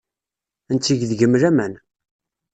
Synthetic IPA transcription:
ənt͡s̪ːiʝðʝəmɾæmæn

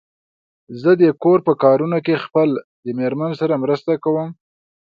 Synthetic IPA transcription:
zəd̪əkoɾpəkɑɾunokexpəl | d̪əmeɾmansaɾamɾəst̪akawəm

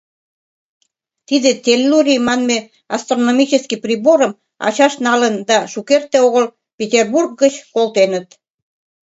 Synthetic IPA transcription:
t̪id̪et̪ʲelːuɾʲimɑnme | ɑst̪ronomit͡ɕəskiprʲiboɾəm | ɑ̰t͡ɕɑʃnɑlənd̪ɑʃukert̪ːeoɣəl | pʲet̪ʲerburɡ̚ɡət͡ɕkolt̪enət̪

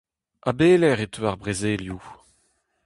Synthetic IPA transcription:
abeːlɛʁetʰøaʁbʁezeːlju

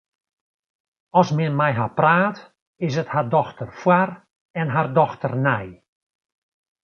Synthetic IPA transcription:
ɔsmɛnmɛjɦapraːt | ɪsəthardɔxtərfwar | ɛnɦardɔxtərnɛj

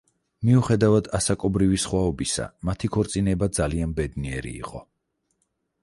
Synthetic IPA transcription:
miuχɛd̪avad̪asakʼɔbɾivisχwaɔbisa̰mat̪ʰikʰɔɾt̪sʼinɛbad̪zalianbɛd̪niɛɾḭːqʼɔ

